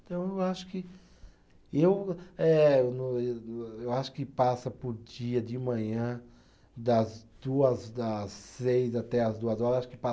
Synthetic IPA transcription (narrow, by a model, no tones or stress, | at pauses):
ẽt̪ɐ̃w̃ewaʃʊ̥kɪ | ewɛewñeewaʃʊ̥kɪpasɐpʊɾd͡ʒiɐd͡ʒ̪ɪmɐ̃ɲɐ̃ | d̪ɐzd̪uɐzd̪ɐsːejzat̪ɛɐzd̪uɐzɔɾɐzaʃʊ̥kɪpa